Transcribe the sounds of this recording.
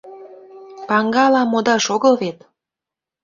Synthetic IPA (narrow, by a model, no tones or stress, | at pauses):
pɑŋɡɑlɑmːod̪ɑʃoɣɤlβet̪